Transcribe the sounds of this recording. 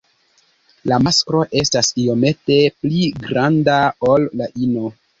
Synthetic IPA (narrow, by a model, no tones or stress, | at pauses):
lamaskɾo̞ʔe̞stasijo̞me̞te̞pliɡɾandao̞lːaʔino